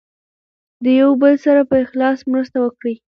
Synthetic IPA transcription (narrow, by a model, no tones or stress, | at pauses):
d̪əjawbəlsaɾapəɪxlɑsmɾəst̪awəkɽi